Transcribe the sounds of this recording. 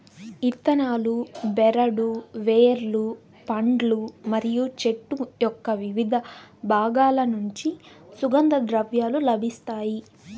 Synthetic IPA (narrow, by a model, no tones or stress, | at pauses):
it̪ːɐnaːlubɛɾɐɽuʋeːɾlu | pɐɳɖlumɐɾijut͡ʃe̞ʈːujɔkːɐʋiʋid̪ʱɐbʱaːɡaːlɐnuɲt͡ʃi | suɡɐnd̪ɐd̪ɾɐʋjaːlulɐbʱist̪aːji